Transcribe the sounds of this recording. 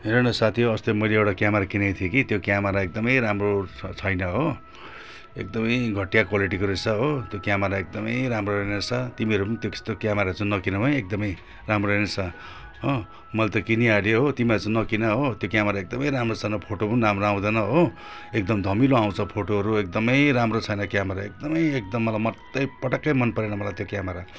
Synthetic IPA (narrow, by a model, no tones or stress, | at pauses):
ɦeɾʌnʌsat̪ʰijoʌst̪omʌjleewʈakjamaɾakinʌjt̪ʰijekit̪jokjamaɾaek̚d̪ʌmʌjɾamrot͡sʰʌjnʌɦo | ek̚d̪ʌmʌjɡʱʌʈjakwaliʈikoɾesʰʌɦot̪jokjamaɾaek̚d̪ʌmʌjɾamroɾʌnet͡sʰʌt̪imiɦʌɾupʌnit̪joki̥st̪okjamaɾat͡sʰũnʌkinʌmʌjek̚d̪ʌmʌj | ramroɾʌnet͡sʰʌ | ɦo | mʌlat̪ʌkiniaɽijoɦot̪imiʌɾut͡sʰũnʌkinʌɦot̪jokjameɾaek̚d̪ʌmʌjɾamrot͡sʰʌjnʌpʰoʈopʌniɾamroaw̃d̪ʌnʌɦo | ek̚d̪ʌmd̪ʱʌmiloaw̃t͡sʰʌpʰoʈoɦʌɾuek̚d̪ʌmʌjɾamrot͡sʰʌjnʌkjamʌɾaḛk̚d̪ʌmʌjek̚d̪ʌmːʌlajmʌt̪ːʌjpʌʈʌkːʌjmʌnpʌɾenʌmʌlajt̪jokjamʌɾa